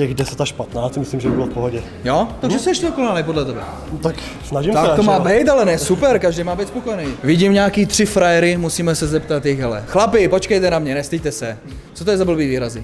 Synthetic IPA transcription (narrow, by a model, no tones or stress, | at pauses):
tɛɣdɛsɛt̪aʃpat̪naːt͡smɪslimʒɛbɪbɪlofpoɦoɟɛ | jot̪aɡʒɛsɛɛʃcɛdokonaːlipo̞dlɛt̪ɛbɛ̰ | t̪ak | snaʒimt̪akat̪omaːbɛjt̪alɛnɛsupɛɾkaʒdejmaːbijt̪spokojɛnijvɪɟimɲaːkiːt̪r̥ɪfɾajɛɾɪmusiːmɛsɛzɛpt̪at̪jɪxɦɛlɛ̰xlapɪpo̞t͡ʃkɛjt̪ɛnamɲɛnɛst̪ɪc̚t̪ɛsɛ | t͡sot̪ojɛzabl̩biːviːɾazɪ